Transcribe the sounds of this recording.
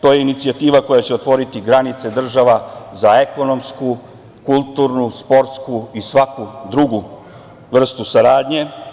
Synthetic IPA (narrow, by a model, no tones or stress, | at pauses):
t̪o̞je̞init̪sijat̪iːʋako̞jat͡ɕeo̞t̪ʋo̞ɾit̪iɡɾanit̪se̞d̪r̩ʒaʋazae̞ko̞no̞msku | kulˠt̪uːɾnuspo̞ɾt̪skuisʋakud̪ɾuɡu | ʋr̩st̪usaɾaːd̪ɲe̞